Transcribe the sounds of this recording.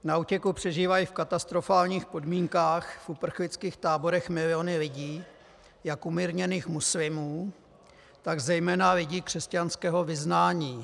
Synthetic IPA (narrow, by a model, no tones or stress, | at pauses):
nauːcɛkupr̝̥ɛʒiːvajifkat̪ast̪ɾo̞faːlɲiːxpo̞dmiːŋkaːxfʔupr̩xlɪt͡skiːxt̪aːbo̞ɾɛxmɪlɪonɪlɪɟiː | jakʔumiɾɲɛniːxmuslɪmuː | t̪aɡzɛjmɛːnalɪɟiːkr̝̥ɛscanskɛːɦo̞vɪznaːɲiː